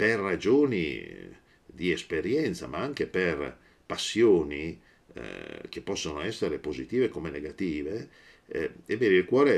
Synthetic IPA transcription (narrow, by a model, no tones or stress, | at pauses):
perːad͡ʒoːnḭ | d̪iespeɾjɛnt̪sa̰maaŋk̟eper | pasːjoːnḭ | k̟epːɔsːonoɛsːeɾepozit̪iːvekomeneɡat̪iːve | ebeːneilkwɔːɾe